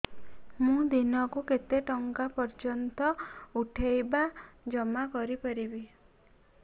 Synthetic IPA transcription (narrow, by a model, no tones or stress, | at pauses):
mũd̪inɔkuket̪eʈɔŋkapɔɾd͡ʒɔnt̪ɔuʈʰejbad͡ʒɔmakɔɾipɔɾibi